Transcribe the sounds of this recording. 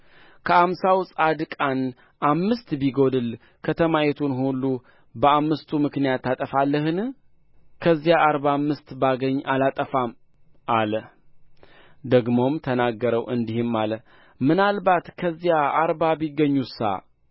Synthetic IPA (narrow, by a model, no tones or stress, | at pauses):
kʰəamsawsʼad̪kʼan | ʔamːɨst̪biɡo̞d̪ɨl | kʰət̪ʰəmajɛt̪ʰunhulːu | bəamːɨst̪ʰumɨknijat̪ːat̪ʼəfalːəɦɨn | kʰəzːijaʔːɾbamːɨst̪baɡəɲːʔalat̪ʼəfam | ʔaləh | d̪əɡmo̞mt̪ʰənaɡːəɾəwʔɨnd̪ihɪmːalə | mɨnalbat̪kʰəzːijaaɾbabiɡːəɲːusa̰